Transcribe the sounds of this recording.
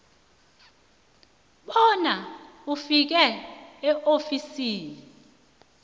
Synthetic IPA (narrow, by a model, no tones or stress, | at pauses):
ɓɔna | ufik̬ɛɛʔofisiːni